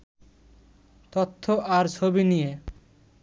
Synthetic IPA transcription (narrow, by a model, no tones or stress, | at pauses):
t̪ot̪ʰːoʔaɾt͡ɕʰobinije